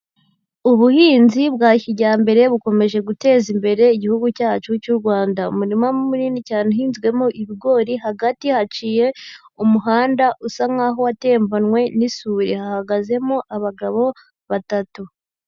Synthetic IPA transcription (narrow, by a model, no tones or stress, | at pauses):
uβuhiːnziβɡaːçiɟaːmbe̞ɾe̞βuko̞me̞ʒe̞ɡute̞ːzimbe̞ɾe̞iɟihuɡucaːt͡ʃucuɾɡwaːndaṵmuɾimamumuniːnicaːneɦiːnzɡwe̞moʔiβiɡo̞ːɾiɦaɡatihat͡ʃije̞ | umuɦaːndaʔusaŋaɦowate̞ːɱvonŋwe̞nisuːɾihahaɡaze̞moʔaβaɡaβo̞ | βatatu